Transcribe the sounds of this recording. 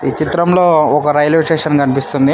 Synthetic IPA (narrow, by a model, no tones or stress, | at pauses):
iːt͡ʃit̪ɾɐmlo̞ːɔkɐɾɐjloːsʈeːʂɐnkɐnipist̪und̪i